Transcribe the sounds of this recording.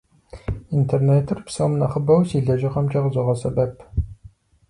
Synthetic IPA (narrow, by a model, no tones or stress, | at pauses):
intʰerneːtʰɨrpsɐmnɐχəbɐwsiɮɐʒɪqɐmt͡ʃɐʁəzɔʁɐsɐbɐp